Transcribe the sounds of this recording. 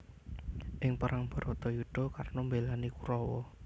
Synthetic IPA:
ʔɪŋpəɾʔaŋb̥ɔ̤ɾɔt̪ɔjuɖ̥ɔ̤karnɔmbelanikuɾɔwɔ̰

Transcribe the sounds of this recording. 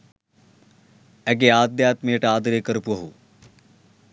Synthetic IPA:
ɛɡ̬eaːd̪ːjaːt̪meːʈaːd̪ɾeːkəɾpuɦuː

